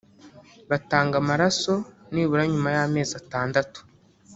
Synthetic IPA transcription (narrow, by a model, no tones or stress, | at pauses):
βataːŋɡamaɾaso̞niːβuɾaɲumajaːme̞ːzataːndatu̥